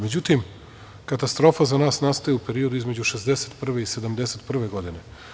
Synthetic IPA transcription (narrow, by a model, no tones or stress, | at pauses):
med͡ʑut̪im | kat̪ast̪ɾo̞ːfazanaːsnaːst̪ajeupe̞ɾio̞d̪uizme̞d͡ʑuʃezd̪eset̪pr̩ʋe̞ise̞d̪amd̪e̞set̪pr̩ʋe̞ɡo̞d̪ine̞